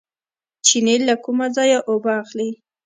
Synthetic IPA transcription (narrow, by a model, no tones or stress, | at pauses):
t͡ʃinelːakumazɑjaʔobaːxli